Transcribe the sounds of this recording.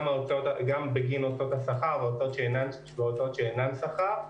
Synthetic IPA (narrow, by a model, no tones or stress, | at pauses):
maotot̪ɡambeɡinotot̪hasaχaʁveot̪ot̪ʃeenan | veotot̪ʃeenansaχaʁ